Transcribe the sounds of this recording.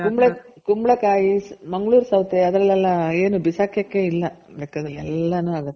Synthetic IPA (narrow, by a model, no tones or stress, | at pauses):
kumbɭɐ | kumbɭɐkaːjismɐŋɡɭuːɾsɐwt̪eɐd̪ɾɐlːɛlːɐeːnubisaːkʰjɐkːeilːɐbeːkaːd̪ɾɐɛlːɐnuːaːɡɐt̪ːe